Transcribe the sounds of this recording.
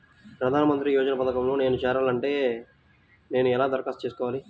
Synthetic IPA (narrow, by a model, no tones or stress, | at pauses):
pɾɐd̪ʱaːnɐmɐnt̪ɾijoːd͡ʒɐnɐpɐd̪ɐkɐmlo̞ːne̞ːnut͡ʃɛːɾaːlɐɳʈe̞ː | ne̞ːnuɛlaːd̪ɐɾkaːst̪t͡ʃeːsu̥kɔːʋaːli